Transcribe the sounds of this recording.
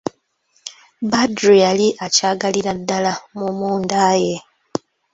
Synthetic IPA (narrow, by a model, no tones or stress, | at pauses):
badɾialiʔacaːɡaliɾadːalamumuːndaːje